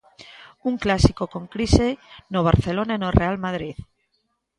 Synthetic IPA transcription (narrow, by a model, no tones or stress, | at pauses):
uŋklasikokõŋkɾisenoβ̞aɾθelonaenorealmað̞ɾið